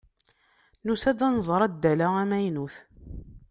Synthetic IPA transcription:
nusæd̪ænzˤɾˤɑd̪ːælaæmæjnuθ

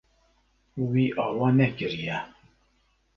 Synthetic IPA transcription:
wiʔɑwɑnɛkəɾijæ

